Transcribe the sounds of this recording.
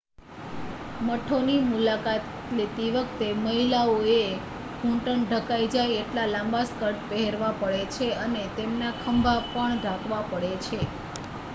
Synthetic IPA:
məʈʰonimulakat̪lit̪iʋəkt̪eməɦilaoe | ɡʱũɳʈəɳɖʱəkaid͡ʒajeʈlalãmbaskəɾʈpəɦeɾʋapəɭet͡ʃʰeənet̪emnakʰəmbʱapəɳɖ̪ʱakʋapəɽet͡ʃʰe

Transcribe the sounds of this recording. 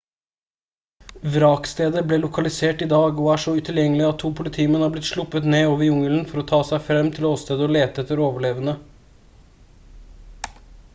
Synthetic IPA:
ʋɾɑːkst̪eːd̪əbleːlʊkʰɑlɪseːʈɪd̪ɑːɡɔæːʂɔʉt̪ʰɪljɛŋːəlɪɑt̪ʰːuːpʰʊlɪt̪ʰiːmɛnhɑːblɪt̪ʂɭʊpːət̪neːoːʋəɾjʊŋələn̩fɔɾɔt̪ʰɑːsæɪfɾɛmːt̪ʰɪlɔoːst̪eːd̪əɔleːt̪əɛt̪ːəɾoːʋəɭeːʋənə

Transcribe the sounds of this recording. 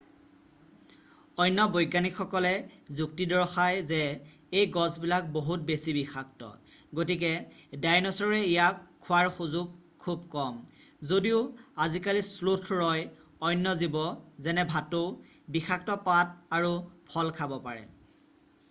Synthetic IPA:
ɔjnːɔbojɡanikxɔkɔlɛzuktidɔɹxajzɛ | ejɡɔsbilak̚boɦut̚besibixak̚tɔ̰ɡotik̬ɛdajnɔsɔɹɛijakʰːʊwaɹxuzuɡ̚kʰub̚kɔm | zodiʊazikalislutʰɹɔj | ɔjnːɔzibɔzɛnɛbʱato | bixʰak̚tɔpat̚aɹupʰɔlkʰabɔpaɹɛ̰

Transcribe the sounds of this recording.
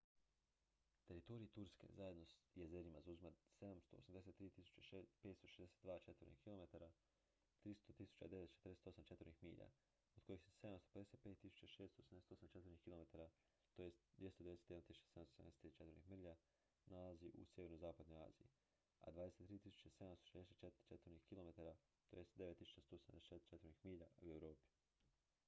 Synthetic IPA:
t̪e̞ɾit̪o̞ɾiit̪uɾskḛzaje̞d̪no̞sjezeɾimazauzimase̞d̪amst̪o̞o̰samd̪e̞set̪ːɾiːt̪isu̥t͡ɕapet̪st̪o̞ʃezd̪eset̪d̪ʋaːt͡ʃe̞t̪vəɾnḭhkilˠo̞me̞t̪aɾa | t̪ɾist̪ot̪isu̥t͡ɕa̰d̪e̞ʋe̞t̪t͡ʃe̥ɾd̪eset̪o̞samt͡ʃet̪vəɾnixmḭːʎa̰ | od̪̥ko̞jixsese̞d̪amst̪o̞ped̪eset̪̚peːt̪ːisu̥t͡ɕaʃesst̪osamd̪ese̥t̪osamt͡ʃe̞t̪vəɾnihkilome̞t̪aɾa | t̪ojest̪d̪jest̪od̪ed̪eet̪eamt̪isu̥t͡ɕḁseamsosea̰net̪ːɾit͡ʃet̪əɾnixmr̩ʎa | nalaziʔṵsje̞ʋe̞ɾnozaːpad̪noja̰ːzḭjḭ | a̰d̪ʋaːd̪eset̪ːɾiːt̪isu̥t͡ɕase̞d̪amst̪oʃed̪eset̪t͡ʃet̪ɾt͡ʃet̪əɾnihkilome̞t̪aɾa | t̪ojesd̪eʋet̪ːisut͡ɕast̪oːseand̪eseet͡ʃet̪ɾnixmiːʎauewɾo̞ːpi̥

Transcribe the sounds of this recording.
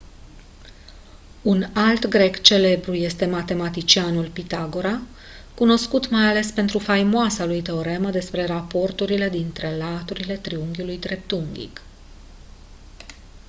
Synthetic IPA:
unalt̪ɡɾe̞kt͡ʃe̞le̞bɾuje̞st̪e̞mat̪e̞mat̪it͡ʃianulpit̪aɡo̞ɾa | kuno̞skut̪majale̞spe̞nt̪ɾufajmoasalujt̪e̞oɾe̞məd̪e̞spɾe̞ɾapo̞rt̪uɾile̞d̪int̪ɾe̞lat̪uɾile̞t̪ɾiuŋɡʲulujd̪ɾe̞p̚t̪uŋɡʲḭk

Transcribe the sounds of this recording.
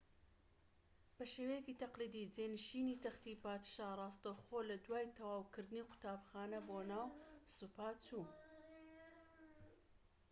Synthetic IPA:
b̥ɐʃeːwejekiːt̪ɐqliːd̪id͡zeːnɨʃinit̪ɐxt̪ipaːt̪ʃarˤɑːst̪ɐwxolɐd̪waːjt̪ʰɐwaːwkɨɾd̪ɨniqʊ̥t̪aːbxaːnɐbonaːwsupaːt͡suː

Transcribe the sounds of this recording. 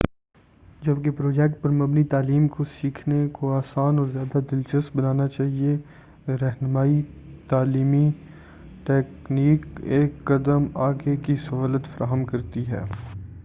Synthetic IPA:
d͡ʒɐbkepɾoːd͡ʒɛk̚ʈ̚pɐɾmɐbnit̪aːliːmkosiːkʰnekoaːsaːnɔːɾzjaːd̪ad̪ɪlt͡ʃəst̪̚bɐnaːnat͡ʃaːɦie | ɾɛɦnmaːi | t̪aːliːmi | ʈɛːkniːkeːkːɐd̪əmaːɡekisɐɦoːlət̪fɐɾʔaːɦəmkɐɾt̪iɦɛ̰ː

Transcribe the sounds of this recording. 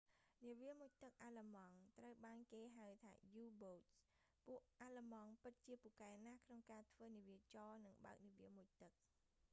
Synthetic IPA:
niəʋiəmuc̚t̪ɨk̚ʔalamɑŋt̪rəwɓaːnkeːɦawt̪ʰa̰ːjuːboːt̪s | puəʔʔaːləmɑŋpɨt̪̚t͡ɕiəpuəʔkaɛnakʰnoŋkaːt̪ʰʋəːniəʋiət͡ɕɑːnɨŋɓa̰ək̚niəʋiəmuc̚t̪ɨk̚

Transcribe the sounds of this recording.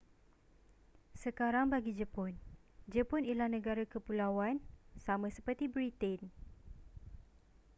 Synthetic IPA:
səkaɾaŋbaɡid͡ʒəpɔnd͡ʒəpɔnilanə̃ɡaɾakəpulawansamãsəpərt̪ibɾit̪ɛn

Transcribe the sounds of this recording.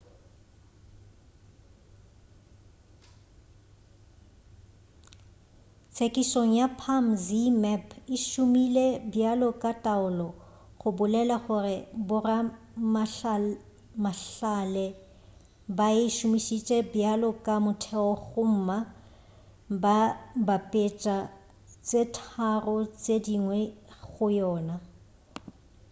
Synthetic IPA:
t͡sʰekʼisoŋ̩japʰamzimɛpʰɪʃʊmilebjalɔkʼatʼaʊlɔ | ɣʊbʊlɛlaχʊrɪbʊra | maɬ | maɬalɛ | baɪʃʊmiʃit͡ʃʼɛbjalɔkʼamʊtʰɛɔɣʊm̩ːma | babapʼet͡ʃʼa | t͡sʼetʰarɔt͡sʼediŋwɛɣʊjɔːna

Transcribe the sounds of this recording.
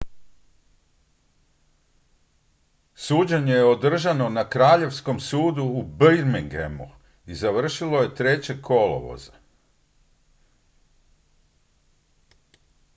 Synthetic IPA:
suːd͡ʑeɲe̞jeo̞d̪r̩ʒano̞nakɾaːʎe̞ʋsko̞msuːd̪uːbɾmiŋɡḛmu | izaʋr̩ʃilˠo̞je̞t̪ɾe̞t͡ɕe̞kʰo̞lo̰ʋo̞̰za

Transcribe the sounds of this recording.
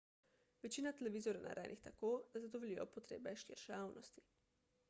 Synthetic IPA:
ʋɛt͡ʃiːnat̪ɛlɛʋiːzɔɾɛna̰ɾʔɛ̰nʔixt̪akoːd̪̥azad̪ɔʋlijɔpɔt̪ɾḛːbɛʃḭɾʃaːwnɔst̪i̥

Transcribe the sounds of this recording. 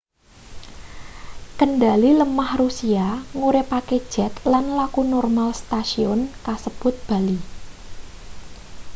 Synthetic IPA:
kəndaliləmahrusiaŋuɾɪpaked̥ʒ̥ɛ̤t̪lanlakunɔrmalst̪asiɔnkasəb̥ʊt̪̚b̥a̤li

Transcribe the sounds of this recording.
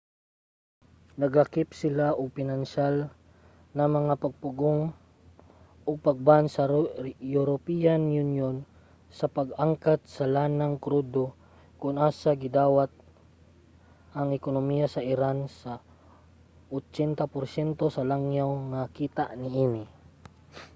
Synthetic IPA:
nɐɡakɪpsɪlaʔoɡ̚pɪnanʃal | nɐmɐŋapɐɡ̚pʊɡoŋ | ʔoɡ̚pɐɡ̚bansɐjuɾopijanjʊnjon | sɐpɐɡaŋkat̪̚sɐlaːnaŋkɾud̪o | kʊnʔaːsaɡɪd̪aːwat̪̚ | ʔɐŋɪkonomijasɐʔɪɾansa | ʔot͡ʃɛnt̪apʊɾsɛnt̪osɐlaŋjawŋakiːt̪aʔnɪʔiːnɪ

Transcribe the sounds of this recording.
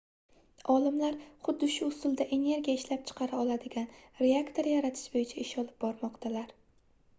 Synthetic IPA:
ɒlɪmlaɾχʊd̪ːɪʃʊʊst̪ʊlˠd̪aʔe̞ne̞ɾɡʲijaɪʃlap̚t͡ʃʰɨ̥qʰɑɾaɒlˠad̪ɪɡʲanɾe̞akt̪ʰo̞ɾjaɾat̪ʰɪ̥ʃbojɪt͡ʃʰaɪʃɒlɪp̚bɒɾmɒqt̪ʰalaɾ

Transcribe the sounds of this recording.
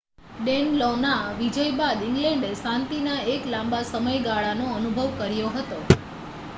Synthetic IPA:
ɖenlɔnaʋid͡ʒəjbad̪iŋɡlɛ̃ɳɖesãnt̪inaeklãmbasəməjɡaɭanoənubʱəʋkəɾjoɦət̪o

